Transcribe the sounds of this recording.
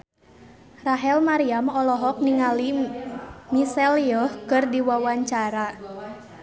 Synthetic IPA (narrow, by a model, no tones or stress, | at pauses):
raɦɛlmaɾiamɔlɔɦɔk̚niŋali | misɛliɔhkɨrdiwawaɲt͡ʃaɾa